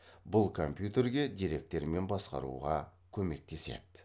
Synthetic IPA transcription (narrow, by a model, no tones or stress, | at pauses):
bʊlˠkʰo̞mpjut̪e̞ɾɡʲe̞d̪ijɾe̞k̚t̪ːe̞ɾme̞nbɑsqɑ̰ɾṵʁɑ | kʲʰɵme̞k̚t̪e̞se̞̰d̪̥ɪ